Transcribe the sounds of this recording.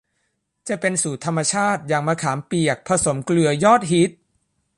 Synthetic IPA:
t͡ɕa˨˩pe˧nsuː˨˩t̪ʰa˧mːa˧t͡ɕʰaː˥˩t̪̚ja˨˩ŋmaː˧kʰaː˩˦mpi˨˩ək̚pʰa˧so˩˦mklɯ˨˩əjɔː˥˩t̪̚ɦi˦˥t̪̚

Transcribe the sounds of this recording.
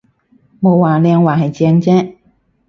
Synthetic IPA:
mo˨˧wːaː˨˩lɛː˧ŋwaː˨˩ɦɐ˨jt͡sɛː˧ŋt͡sɛː˥

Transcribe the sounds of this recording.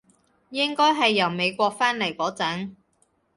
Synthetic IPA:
jɪ˥ŋkɔː˥jɦɐ˨jːɐ˨˩wme˨˧jkʷɔː˧k̚faː˥nle˨˩jkɔː˨˥t͡sɐ˨˥ŋ

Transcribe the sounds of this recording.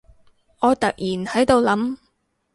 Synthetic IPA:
ŋɔː˨˧t̪ɐ˨k̚jiː˨˩nhɐ˨˥jt̪o˨˧wlɐ˨˥m

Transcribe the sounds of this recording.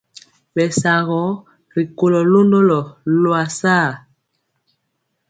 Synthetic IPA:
bɛ˨sa˨ɣɔ˨˦ | ɾi˨ko˨lɔ˨lo˦ndo˦lɔ˨lwa˨saː˦˨

